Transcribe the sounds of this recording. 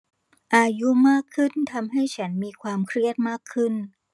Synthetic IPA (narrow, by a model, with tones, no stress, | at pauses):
ʔaː˧ju˦˥maː˥˩kʰːɯ˥˩nt̪ʰa˧mɦa˥˩jt͡ɕʰa˦˥nmiː˧kʰwaː˧mkʰɾi˥˩ət̪̚maː˥˩kʰːɯ˥˩n